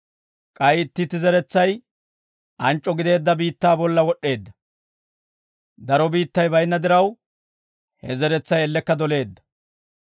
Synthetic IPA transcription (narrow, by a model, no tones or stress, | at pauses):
kʼɐjɪt̪ːɪt̪ːɪzɛɾɛt͡sːɐj | ʔɐnt͡ʃʼːɔɡɪd̪e̞ːd̪ːɐbiːt̪ːaːbɔlːɐwɔɗːe̞ːd̪ːɐ | d̪ɐɾɔbiːt̪ːɐjbɐjnːɐd̪ɪɾɐw | hɛzɛɾɛt͡sːɐjɛlːɛkːɐd̪ɔle̞ːd̪ːɐ̥